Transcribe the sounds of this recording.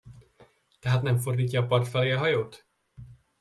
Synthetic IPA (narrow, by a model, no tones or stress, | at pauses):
t̪ɛɦat̪nɛmfo̞rd̪iːcːɒːpɒrt̪fɛleːɒɦɒjoːt̪